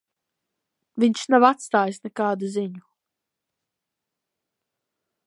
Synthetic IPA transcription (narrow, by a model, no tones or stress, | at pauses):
viɲʲʃnavat̪st̪aːjisnɛkaːd̪uziɲu